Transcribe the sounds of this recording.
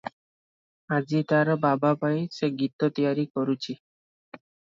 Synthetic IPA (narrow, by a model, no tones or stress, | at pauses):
ad͡ʒit̪aɾbabapajseɡit̪ɔt̪ijaɾikɔɾut͡ʃʰi